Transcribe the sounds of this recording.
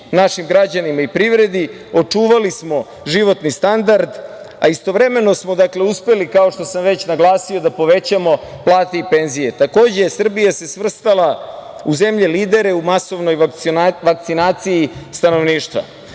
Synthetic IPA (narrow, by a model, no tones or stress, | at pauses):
naʃimɡɾad͡ʑanimaipɾiʋɾe̞d̪i | o̞t͡ʂuːʋalismo̞ | ʒiʋo̞t̪nist̪and̪aɾd̪ | a̰ist̪o̞ʋɾe̞me̞no̞smo̞d̪akle̞uspe̞likao̞ʃt̪o̞samʋe̞t͡ɕnaɡlˠaːsio̞d̪apo̞ʋe̞t͡ɕamo̞plˠaːt̪e̞ipe̞nzije̞t̪ako̞ːd͡ʑesr̩bijase̞sʋr̩st̪alauze̞mʎeliːd̪e̞ɾe̞umaso̞ʋno̞jʋak̚t̪sinaːt̪sijist̪ano̞ʋniːʃt̪ʋa̰